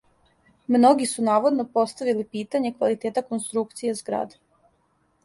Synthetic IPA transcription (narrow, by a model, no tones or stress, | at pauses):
mno̞ɡisunaːʋod̪no̞po̞st̪aʋilipiːt̪aɲe̞kʋalit̪eːt̪akonst̪ɾukt̪sije̞zɡɾa̰ːd̪e